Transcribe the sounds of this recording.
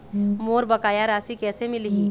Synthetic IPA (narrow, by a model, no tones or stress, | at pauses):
moːɾbɐkaːjaɾaːsikɛːsemɪlɦiː